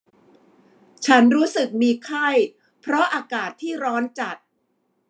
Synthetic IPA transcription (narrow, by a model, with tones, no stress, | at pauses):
t͡ɕʰa˦˥nɾuː˦˥sɯ˨˩k̚miː˧kʰa˥˩j | pʰɾɔ˦˥ʔaː˧kaː˨˩t̪ʰːiː˥˩ɾɔː˦˥nt͡ɕa˨˩t̪̚